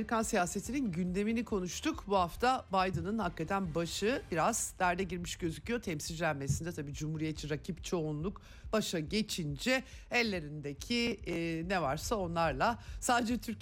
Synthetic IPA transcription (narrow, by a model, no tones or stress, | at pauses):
ɾikʰansijaːse̞t̪ʰininɟynd̪e̞minikʰo̞nuʃt̪ʰukbuhaft̪ʰabajd̪ɯnɯnhakːat̪ʰænbaʃɯbiɾaz̥d̪æɾd̪ɛɟiɾmiʃɟø̞zycʰijo̞t̪ʰɛmsid͡ʒlʲænme̞sind̪ɛt̪ʰabiːd͡ʒumhuɾijet̪t͡ʃʰːiɾacʰipt͡ʃʰo̞unlˠuk | b̥aʃaɟe̞t͡ʃʰind͡ʒɛɛlʲːe̞ɾind̪ecʰinevaɾsao̞nlˠaɾlˠasaːd̪ed͡ʒɛt̪ʰyɾ